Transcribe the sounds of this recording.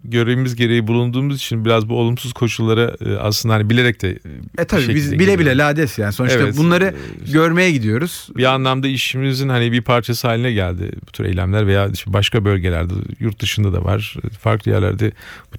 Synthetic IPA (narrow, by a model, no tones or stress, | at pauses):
ɟøɾejimizɟe̞ɾe̞jibulˠund̪uːmuzit͡ʃʰinbiɾazbuo̞lˠumsuzkʰo̞ʃulˠːaɾa̰a̰slˠɯnd̪ahanibilʲe̞ɾɛc̚t̪ʰɛɛt̪ʰabiebizbilʲebilʲɛlʲaːd̪ɛsjaːnso̞nɾevt̪ɛt̪bunˠaɾɯɟøɾmejɛɟid̪ijo̞ɾuz̥bianlˠamd̪aiʃimizinhanibipʰaɾt͡ʃʰasɯɦaːlʲinɛɟælʲd̪ɪ̰bu̥t̪ʰyɾḛjlʲæ̰mlʲæɾve̞jaːiʃɛbaʃkabølʲɟe̞lʲæ̰ɾd̪ɛ̰juɾt̪̚d̪ɯʃɯnd̪ad̪a̰va̰ɾ̥fa̰ɾklˠɯjæ̰ɾlʲæ̰ɾd̪ɛb